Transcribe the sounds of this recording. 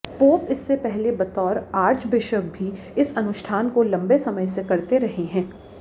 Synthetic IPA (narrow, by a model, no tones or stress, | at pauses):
poːpɪsːepɛɦlebɐt̪ɔːɾaːɾd͡ʒbɪʃək̚bʱi | ɪsɐnʊʃʈʰaːnkolɐ̃mbesɐməjsekɐɾt̪eɾɐɦeɦɛ̃ː